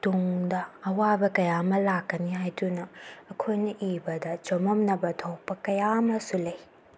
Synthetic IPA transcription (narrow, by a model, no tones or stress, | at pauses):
tuŋdɐːwabɐkɐjamɐlakːɐniɦajdunɐːkʰojnɐʔibɐdɐt͡ʃomɐmnɐbɐtʰow̚pɐkɐjamɐsulɐj